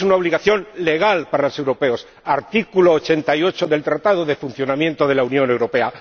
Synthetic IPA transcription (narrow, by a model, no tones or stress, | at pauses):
sunaoβliɣaθjo̞nle̞ɣ̞alpaɾalose̞wɾo̞pe̞o̞s | aɾt̪ikuloːt͡ʃe̞nt̪aio̞t͡ʃo̞ðe̞lt̪ɾat̪aðoðe̞funθjo̞namje̞nt̪oðe̞launjõ̞newɾo̞pe̞a